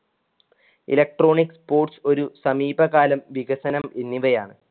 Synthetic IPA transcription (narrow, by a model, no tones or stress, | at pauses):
ḭlɐk̚ʈro̞ːɳikspoːʈso̞ɾusɐmiːbɐɣaːlɐmʋiɣɐsɐnɐmenːiʋɐjaːɳɨ